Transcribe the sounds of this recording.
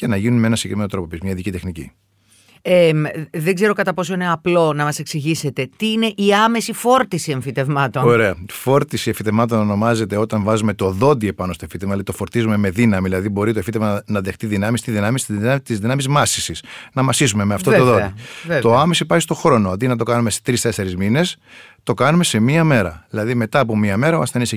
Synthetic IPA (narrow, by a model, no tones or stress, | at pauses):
cenɐʝinunmenɐsi̥ɡekɾime̞not̪ɾo̞popizmɲɐiðicit̪e̞xnicḭ | emðe̞ɡze̞ɾo̞kɐt̪ɐpo̞s̬o̞ine̞ɐplo̞nɐmɐse̞ksiʝise̞t̪e̞t̪iine̞ʔiɐme̞sifo̞ɾt̪isie̞ɱfit̪e̞vmɐt̪ooɾe̞ɐfo̞ɾt̪isieɱfit̪e̞vmɐt̪̬o̞nono̞mɐze̞t̪e̞ot̪ɐɱvɐzume̞t̪o̞ðo̞d̪ie̞pɐnost̪ofit̪evmɐilit̪o̞fo̞ɾt̪izume̞me̞ðinɐmiðilɐðibo̞ɾit̪oefit̪evmɐnɐðext̪iðinɐmist̪izðinɐmist̪it̪izðinɐmizmɐsi̥sisnɐmɐsisume̞meɐft̪ot̪oðo̞divet̪oɐmesipɐçist̪o̞xɾo̞noɐd̪inɐt̪̬o̞kɐnume̞se̥t̪ɾist̪e̞se̞ɾizmine̞st̪o̞kɐnume̞se̞miɐme̞ɾɐ̰ðilɐðime̞t̪ɐːpo̞miɐme̞ɾɐoɐsθenis